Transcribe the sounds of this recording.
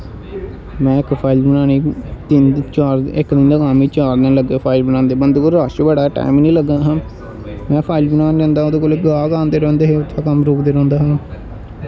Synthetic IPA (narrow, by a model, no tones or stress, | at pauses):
mɛ̃ːɪkpʰaːɪlbənaːñiːt̪ɪt͡ʃaːɾɪkd̪ɪnd̪aːɡaːmiːt͡ʃaːɾd̪ẽːləɡeːpʰaːɪlbənãːnd̪eːbənd̪kolɾaːʃbəɽaːʈa̰ːɪmnĩːləɡaːɦãː | mɛ̃ːpʰaːɪlbənãːnɾãːnd̪aːoːd̪eːkoːlekɡaːɡãːnd̪eːɾɛ̃ːnd̪eːɦeːʊt̪ʰːaːkəmɾoːkd̪eːɾɛ̃ːnd̪aːɦãː